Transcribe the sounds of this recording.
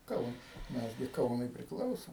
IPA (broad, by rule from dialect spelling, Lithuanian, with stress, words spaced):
ˈkɐʊnɐs ˈmʲɛs ɡʲɪ ˈkɐʊnʊɪ pʲrʲɪˈklˠɐʊsoːm